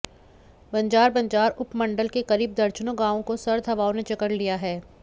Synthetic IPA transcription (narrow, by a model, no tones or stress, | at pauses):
bɐ̃ɲd͡ʒaːɾbɐ̃ɲd͡ʒaːɾʊpmɐ̃ɳɖəlkekɐɾiːb̚d̪ɐɾt͡ʃnõɡãːʋõkosɐɾd̪ʱɦɐʋaːõnet͡ʃɐkəɽlijaɦɛː